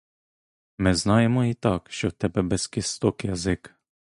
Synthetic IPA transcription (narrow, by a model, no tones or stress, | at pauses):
mɛznɑjɛmɔit̪ɑkʃɛt̪ɛbɛbɛskist̪okjazɪk